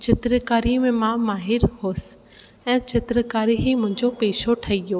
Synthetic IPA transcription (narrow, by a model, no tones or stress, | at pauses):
t͡ɕɪt̪ɾəkaːɾimẽmãmaːɦɪɾhoːsɪ̥ | ɛ̃ːt͡ɕɪt̪ɾəkaːɾiɦimʊ̃ɦɪ̃ɲd͡ʑopeːʃoʈʰɐijoː